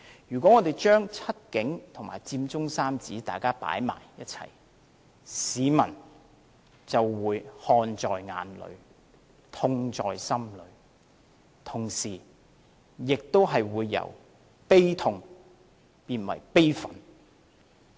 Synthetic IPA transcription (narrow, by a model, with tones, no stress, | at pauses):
jyː˨˩kʷɔː˨˥ŋɔː˨˧t̪e˨˩jt͡ʃœː˥ŋt͡sʰɐ˥t̚kɪ˨˥ŋt̪ʰʊ˨˩ŋmaː˨˩jt͡siː˧mt͡sʊ˥ŋsaː˥mt͡siː˨˥t̪aː˨˩jkaː˥pa̰ː˨˥jma̰ː˨˩jjɐ˥t̚t͡sʰɐ̰˨˩j | siː˨˧mɐ˨˩n | t͡sɐ˨wːuː˨˧jhɔː˧nt͡sɔː˨jŋa̰ː˨˥nlɵ̰˨˧ɥ | t̪ʰʊ˧ŋt͡sɔː˨jsɐ˥mlɵ̰˨˧˥ | t̪ʰʊ˨˩ŋsiː˨˩ | jɪ˨k̚t̪o˥wɦɐ˨jwuː˨˧jːɐ̰˨˩w | pe˥jt̪ʰʊ˨˧ŋ | piː˧nwɐ̰˨˩jpe˥jfɐ˨˥n